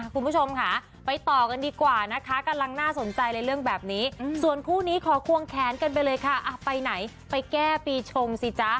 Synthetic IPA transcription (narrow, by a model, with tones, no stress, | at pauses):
ʔa˧˨˩kʰu˧nbu˦˥˩t͡ɕʰo˧mkʰa˦˥ | pa˧jt̪ɔː˨˩ka˧ndiː˧kwaː˨˩na˦˥kʰa˦˥ka˧mla˧ŋnaː˥˩so˩˦nt͡ɕa˧jlaː˧jɾɯ˥˩əŋbɛː˨˩p̚niː˦˥su˨˩ənkʰuː˥˩niː˦˥kʰɔː˩˦kʰu˧əŋkʰɛː˨˩˦nka˧np̬a˧jlɤː˧jkʰa˦˥˩ʔa˧˩pa˧jna˩˦j | pa˧jkɛː˥˩piː˧t͡ɕʰo˧ŋsi˨˩˦t͡ɕa˦˥